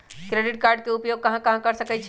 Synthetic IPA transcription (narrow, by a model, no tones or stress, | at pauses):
kɾeɖiʈkaɾɖ̚keupjoɡ̚kəɦãkəɦãkəɾsəkɛt͡ʃʰ